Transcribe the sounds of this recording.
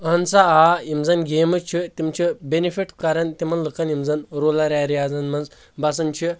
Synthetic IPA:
ɐnt͡saaːimzɐnɡeːmɨt͡ʃʰit̪imt͡ʃʰibenifiʈkɐɾɐnt̪imɐnlɨkɐnimzɐnɾoːlɐɾaːɾijaːzɐnmɐnz | bɐs̬ɐnt͡ʃʰi

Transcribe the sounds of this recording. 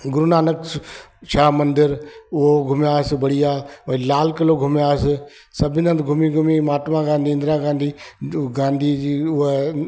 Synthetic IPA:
ɡʊɾunaːnəksʃʰaːmɐ̃nd̪ɪɾʊɦoɡʱʊmjaːsbɐɽiaːʋɐilaːlkɐloɡʱʊmijaːs | sɐbʱɪnə̃nt̪ɡʱʊmiɡʱʊmimaːʈmãɡãːnd̪ʱiːɪ̃nd̪ɾãɡãːnd̪ʱiɡãːnd̪ʱiiːʊɦe

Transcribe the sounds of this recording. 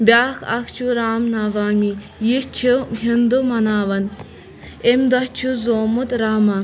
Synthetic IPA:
bʲaːkʰɐ̰kʰt͡ʃʰuɾaːmnaːʋaːmi | jit͡ʃʰiɦind̪umɐnaːʋɐn | emd̪ɐht͡ʃʰuzoːmut̪ɾaːmɐ

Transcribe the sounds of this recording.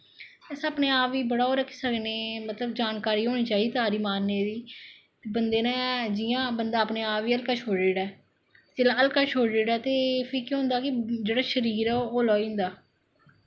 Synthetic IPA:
ɛːsəːpneːaːʋiːbəɽaːoːɾəkʰːi̥ːsəkneːmət̪ləb̚d͡ʒaːnkaːɾiːɦoːñiːt͡ʃaːiːt̪ɦaːɾiːmaːnːeːd̪iː | bənd̪eːnãːd͡ʒɪjãːbənd̪aːəpneːaːʋiːəlkaːt͡ʃʰoːeːɽɛː | t͡ʃelaəlkaːt͡ʃʰoːɖeːɽaːt̪eːpʰikiɦʊ̃nd̪aːkɪd͡ʒeːɽaːʃəɾiːɾɛːoːlɔːĩːnd̪aː

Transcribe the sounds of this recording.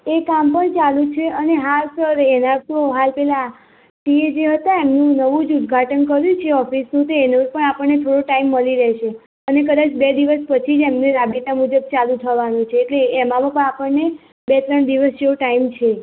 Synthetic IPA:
ekampəɳt͡ʃalũt͡ʃʰeəneɦalsəɾenat̪oɦalpɛla | ʈied͡ʒeɦət̪aemnũnəʋũd͡ʒud̪ɡʱaʈənkəɾjũt͡ʃʰeɔfisnũt̪eːnod͡ʒpəɳapəɳːet̪ʰoɽoʈaimːəliɾɛʃe | ənekəd̪at͡ʃbed̪iʋəspət͡ʃʰid͡ʒemneɾabit̪amud͡ʒəb̚t͡ʃalũt̪ʰəʋanũt͡ʃʰeːʈleːmamãpəɳ̃apəɳːe | bet̪ɾəɳd̪iʋəsd͡ʒeuʈaimt͡ʃʰe

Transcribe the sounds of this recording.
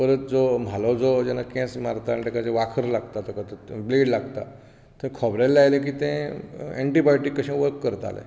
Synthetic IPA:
pəɾət̪̚d͡zom̤alod͡zod͡ʑɛnakɛ̃smaɾt̪aːñit̪ɛ̃kat͡sẽʋakʰəɾlaɡt̪at̪ekat̪əbleɽlaɡt̪a̰ | t̪ɛ̃kʰɔbɾelːeajlek̬iːt̪ɛ̃ɛ̰ɳʈibajʈikːəɕɛ̃ʋəɾkːəɾt̪a̰lḛ

